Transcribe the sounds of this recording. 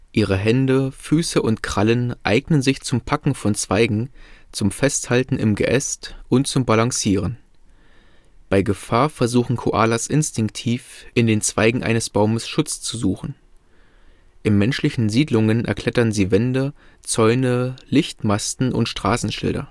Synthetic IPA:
ʔiːʁ̞əɦɛndəfyːsəʔʊntkʁ̥alənʔa̰ɪɡnənzɪçt͡sʊmpʰakŋ̩fɔnt͡sv̥aɪɡŋ̩t͡sʊmfɛsthaltn̩ɪ̰mɡə̰ʔɛstʔʊnt̚t͡sʊmbalaŋsiːʁ̞ən | b̥aɪɡəfaːɐfɛɐzuːxn̩kʰoʔa̰ːlasʔɪnstɪŋk̚tʰiːfʔɪndeːnt͡sv̥aɪɡŋ̩ʔa̰ɪnəsb̥aʊməsʃʊt͡st͡suzuːxn̩ | ʔɪnmɛnʃlɪçn̩ziːdlʊŋənʔɛ̰ɐkʰl̥ɛtɐnziːvɛndə | t͡sɔʏnəlɪçtmastn̩ʔʊ̰ntʃtʁ̥aːsn̩ʃɪ̰ldɐ̰

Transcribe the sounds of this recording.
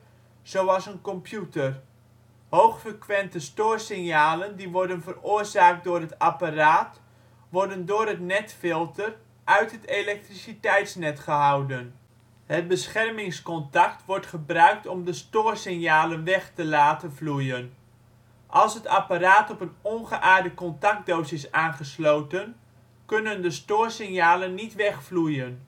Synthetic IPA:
z̥owɑsənkɔmpjutər | howχfəkʋɛntəstoːrsɪŋjaːləndiʋɔrdənvərʊərzaːk̚t̚dʊːrɦətaparaːt | ʋɔrdəndʊːrɦətnɛtfɪlˠtər | ʔœɥtɦətelɛk̚trisitɛjtsnɛtχəɦawdən | hət̚bəsχɛrmɪŋskɔntak̚tʋɔrtχəbrœɥk̚tɔmdəstoːrsɪŋjaːlənʋɛχtəlaːtəvlujən | ʔɑlˠsɦətapaɾaːtɔpənɔnχəʔaːrdəkɔntak̚t̚dowzɪsaːnχəslowtən | kɵnəndəstoːrsɪŋjaːlənːitʋɛχflujən

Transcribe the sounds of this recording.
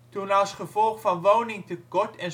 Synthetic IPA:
tunɑlˠsχəvɔlˠχfɑnʋownɪŋtəkɔɹtʰɛn

